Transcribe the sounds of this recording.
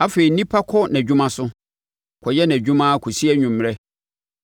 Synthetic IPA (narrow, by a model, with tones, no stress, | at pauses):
a˦feː˨i˨nĩ˦pʰa˦kʰɔ˦nɛ̃˨d͡ʑᶣũ˦mã˦sʊ˦ | kʰɔ˨jɛ˦nɛ̃˨d͡ʑᶣũ˦mã˦kʰɔ˨si˦ɛ˦ɲᶣʊ̃˨mː˨ɾɛ˦